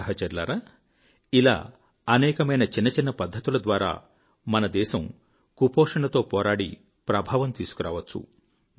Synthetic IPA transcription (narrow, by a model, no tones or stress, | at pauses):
ɐɦɐt͡ʃɐɾla̰ːɾa | ila̰ː | ɐnɛːkɐmɐjnɐt͡ʃinːɐt͡ʃinːɐpɐd̪ʱːɐt̪ulɐd̪ʋaːɾa̰ː | mɐnɐd̪ɛːʃɐm | kupɔːʂɐɳɐt̪o̞ːpɔːɾaːɽḭ | pɾɐbʱaːʋɐmt̪iːsu̥kuɾa̰ːʋɐt͡ʃːṵ